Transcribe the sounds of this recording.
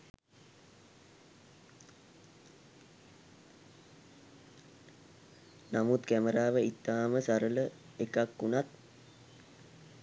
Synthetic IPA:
namut̪kæməɾaːʋəit̪ːaːməsaɾələ | ekakːunat̪̚

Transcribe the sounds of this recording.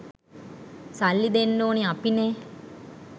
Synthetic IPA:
salːid̪enːoːniapine

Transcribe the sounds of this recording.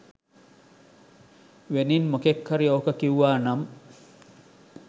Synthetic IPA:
ʋeninmokekːɐɾioːkəkiuʋaːnɐm

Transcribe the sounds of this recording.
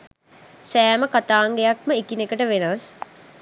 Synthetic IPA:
sæːməkat̪aːŋɡejak̚məikinekəʈəʋenəʋəs

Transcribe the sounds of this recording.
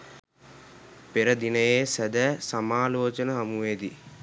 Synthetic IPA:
peɾəd̪inəjeːsæd̪æsamaːloːt͡ʃənəɦɐmuʋeːd̪i

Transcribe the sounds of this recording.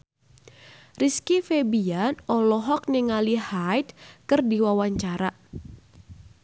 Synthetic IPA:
riskifebianɔlɔɦɔk̚niŋalihajt̪̚kɨrdiwawaɲt͡ʃaɾa

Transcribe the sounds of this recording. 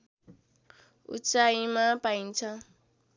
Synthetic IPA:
ṵt͡ʃʼaimapaint͡ʃʰa

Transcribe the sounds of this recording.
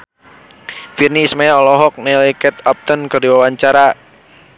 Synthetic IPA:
firnismajaɔlɔɦɔk̚nelikɛt̪ap̚t̪ənkərdiwawaɲt͡ʃaɾa

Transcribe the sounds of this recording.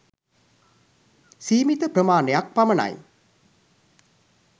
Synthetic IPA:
siːmit̪əpɾəmaːnejak̚paməna̰j

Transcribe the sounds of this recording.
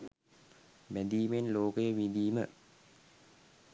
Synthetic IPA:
bɛd̪iːmenloːkəjəʋid̪iːmə̰

